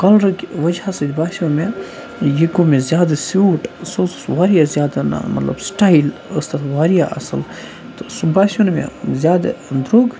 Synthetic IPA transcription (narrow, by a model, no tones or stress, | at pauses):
kɐlɾɐkʋɐd͡ʒhasɐd̪ʲbaːsʲõnme | jikumezʲjaːd̪asjuːʈsot͡ssʋaːɾijazjaːd̪ana̰mɐ̰t̪lɐ̰bsʈaːiləst̪ɐʋaːɾijaʔɐ̰səl | t̪osubaːsʲonmḛ̃zʲjaːd̪d̪ɾoɡ